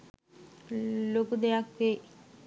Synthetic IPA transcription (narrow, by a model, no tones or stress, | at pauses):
lokud̪ejakʋe